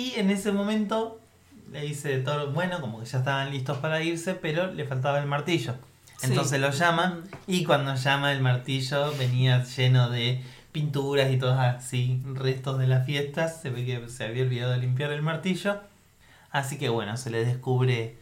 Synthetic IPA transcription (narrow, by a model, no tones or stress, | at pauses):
iene̞semo̞mẽ̞nt̪o | leðiset̪oɾbwe̞no̞ko̞moke̞ʒ̥aest̪aβanlist̪ospaɾaiɾsepeɾo̞lefalt̪̬aβaelmaɾt̪iʒo̞ | eno̞ns̬ezlo̞ʒamaikwand̪oʒamaelmaɾt̪iʒoβe̞niaʒenoðe | pint̪uɾasit̪̬oðosasirest̪o̞zðe̞lasfje̞st̪asːe̞βe̞k̬eseaβiaolβiðaðoelimp̬jaɾelmaɾt̪iʒo̞ | asikeβwe̞̰nose̞leðehkuβɾe